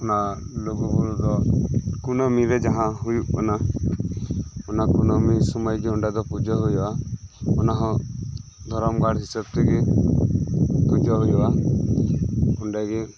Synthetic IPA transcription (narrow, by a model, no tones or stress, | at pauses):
ɔnaloɡɔbɔld̪ɔkunɔmiɾɛd͡ʒaɦãɦujuʔkana | ɔnakunɔmisɔmajɡeuɳɖad̪ɔpud͡ʒɔɦujbaɔnaɦɔ̃ | d̪ʱɔɾɔmɡaɽɦisab̚t̪ɛɡe | pud͡ʒɔɦujba | uɳɖaɡe